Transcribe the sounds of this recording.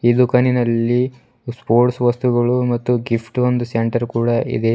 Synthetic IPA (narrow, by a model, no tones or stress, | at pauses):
iːd̪ukɐninɐlːi | spoːɾʈsʋɐst̪uɡɐɭumɐt̪ːuɡipʰʈond̪useɳʈɐɾkuːɽɐḭd̪e̞